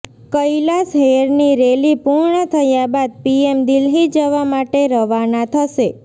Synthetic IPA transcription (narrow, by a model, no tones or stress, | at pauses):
kəjlasɦeɾniɾelipuɾɳət̪ʰəjabad̪̚piemd̪ilɦid͡ʒəʋamaʈeɾəʋanat̪ʰəʃe